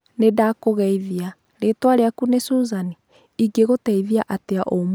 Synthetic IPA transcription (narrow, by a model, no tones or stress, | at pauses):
nedakoɣɛiðia | ɾetwaɾeakunesuzani | iɡeɣotɛiðiaʔateaʔom